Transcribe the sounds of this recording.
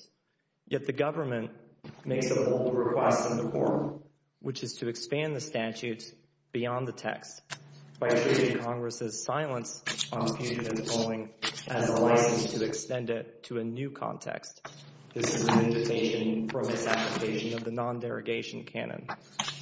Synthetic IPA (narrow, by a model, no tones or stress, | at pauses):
jɛt̪̚ðɨɡʌvə˞mɨ̃nʔ | meɪksəboʊlˠd̚ɹɨkʰw̥ɛstʌ̃nðɨkʰɔ̰ɹ | wɨt͡ʃɨz̥tʰɨɨkspæ̃nðɨstæt͡ʃʉts | b̥iɑ̃nðɨtʰɛ̰kstb̥aɪtʰɹ̥eɪɾɪ̃ŋkʰɑ̃ŋɡɹɨsɨz̥saɪlˠə̃nsn̩fʰjʉɾɨɨ̃zkʰoʊlˠɪ̃ŋʔɨzəlaɪsɨ̃nstʰɨɨkstɛ̃ndɪtʰɨɨnʉkʰɑ̰̃ntʰɛ̰kst̚ | ðɪsɨzɨ̃nɪ̃ɱvɨkʰeɪʃɨ̃nfɹʌ̃mɨtsæpləkʰeɪʃɨ̃nʌvðɨnɑ̃ndɛɹɨ̰ɡeɪʃn̩kʰæ̰nɨ̰̃n